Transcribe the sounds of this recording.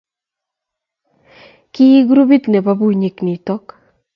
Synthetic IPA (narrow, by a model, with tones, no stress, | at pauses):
kɪ˦ɡu˦ɾu˦bi˦t̪ne˨pa˦bu˦ɲi˨kni˨tɔ˦k